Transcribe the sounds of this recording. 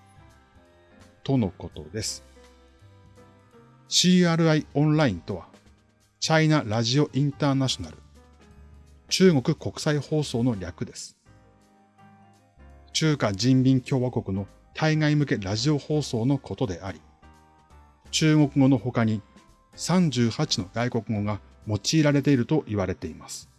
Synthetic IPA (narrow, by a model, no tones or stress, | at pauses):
t̪o̞no̞ko̞t̪o̞d̪e̞sɨ̥ | ɕiːaɾɯ̟aiõ̞nɾaĩnt̪o̞βa | t͡ɕainaɾaʑio̞ʔĩnt̪aːnaɕo̞naɾɯ̟ | t͡ɕɨːŋo̞kɯ̟ko̞kɯ̟̥saiho̞ːso̞ːno̞ɾʲakɯ̟d̪e̞sɨ̥ | t͡ɕɨːkad͡ʑĩmbʲĩŋkʲo̞ːβako̞kɯ̟no̞ | t̪ʰaiŋaimɯ̟ke̞ɾaʑio̞ho̞ːso̞ːno̞kʰo̞t̪o̞d̪e̞ʔaɾʲi | t͡ɕɨːŋo̞kɯ̟ɡo̞no̞ho̞kaɲ̟i | sãɲ̟d͡ʑɨːhat͡ɕino̞ɡ̪aiko̞kɯ̟ɡo̞ɡa | mo̞t͡ɕiːɾaɾe̞t̪e̞iɾɯ̟t̪o̞ʔiβaɾe̞t̪e̞imasɨ̥